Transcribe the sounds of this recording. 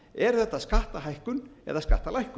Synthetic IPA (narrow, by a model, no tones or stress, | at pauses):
ɛɾ̥θɛht̪ːaðskaht̪aɦajhkʏnɛ̰ðaðska̰ht̪alajhkʏ